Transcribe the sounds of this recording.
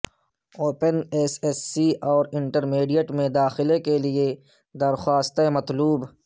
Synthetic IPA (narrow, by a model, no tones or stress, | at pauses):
oːpənesesːiɔːɾɪɳʈəɾmeːɖijəʈmẽd̪aːxɪlekelie | d̪ɐɾxaːst̪emɐt̪luːb